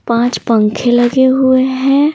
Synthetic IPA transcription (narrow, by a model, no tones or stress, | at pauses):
pãːt͡ʃpə̃ŋkʰelɐɡeɦʊeɦɛ̃ː